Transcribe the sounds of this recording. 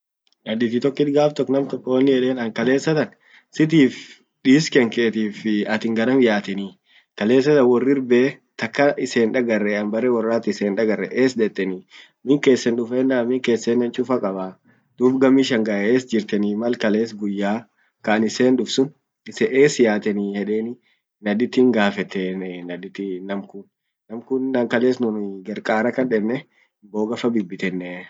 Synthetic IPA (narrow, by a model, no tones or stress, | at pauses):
ʔɐd̪ɪt̪ɪt̪ɔkːɪt̪ɡaːft̪ɔkːnɐmt̪ɔkːoːnːɪɛleːnɐŋkɐle̞ːsːɐt̪ɐn | sɪt̪̬iːf | ᶑiːskɛŋkeːt̪iːfɪɐt̪ɪŋɡɐɾɐmjaːt̪ɛniː | kɐle̞ːsːɐt̪ɐnwɔrːɪɾbeːt̪ɐkːɐʔɪse̞ːnᶑɐɡɐrːɛɐnbɐɾɛwɐrːaːt̪ɪɪseːnᶑɐɡɐrːɛʔeːsd̪ɛt̪ʼːɛni | mɪŋke̞ːsːɛnᶑʊfeːnːaːmɪŋke̞ːsːeːnːɐnt͡ʃʼʊfɐkʼɐba | d̪̥uːbɡɐmiʃɐŋɡɐeːsd͡ʒɪɾt̪ɛnimɐlkɐle̞ːsɡʊjːaː | kɐnɪse̞ːnᶑʊfsʊn | ɪsɛʔeːsɪjaːt̪ɛniːhɛᶑeːnɪ | nɐd̪ɪt̪ːɪŋɡaːfɛt̪ːɛnɐd̪ɪt̪ːɪnɐmkʊnː | ɐmkʊnːɐŋkɐle̞ːsnʊnɡɐɾkʼaːɾɐkɐnᶑɛnːɛ | mboːɡɐfɐbɪbːɪt̪ɛnːɛ